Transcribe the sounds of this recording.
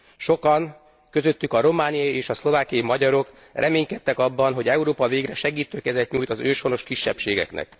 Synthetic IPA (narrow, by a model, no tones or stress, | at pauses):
ʃo̞kɒŋ | køzø̞t̪ːykɒɾo̞maːnijɒieːʃɒslo̞vaːkijɒimɒɟɒɾo̞k | rʔɛmeːɲkɛt̪ːɛkɒbːɒnɦo̞ɟɛuɾoːpɒveːɡrɛʃɛɡiːt̪øːkɛzɛt̪ɲuːjt̪ɒzøːʃho̞no̞ʃkiʃːɛ̰pʃeːɡɛ̰knɛ̰k̚